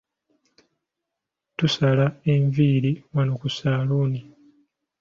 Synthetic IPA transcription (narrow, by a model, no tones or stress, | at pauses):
tusalaeɱviːɾimanokusaːluni